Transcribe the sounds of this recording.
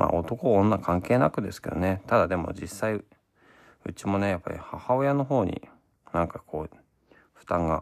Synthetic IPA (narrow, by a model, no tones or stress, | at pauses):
mʔa̰ːo̞t̪o̞ko̞õnːakʰãŋke̞ːnakɯ̟d̪e̞sɨ̥ke̞̰d̪o̞̰net̪ad̪ad̪e̞mo̞̰d͡ʑisːai | ɯ̟t͡ɕimo̞ne̞japːa̰ɾʲḭhahao̞jano̞ɦo̞ːɲḭ | nãŋkakʰo̞ː | ɸɯ̥t̪ãŋɡa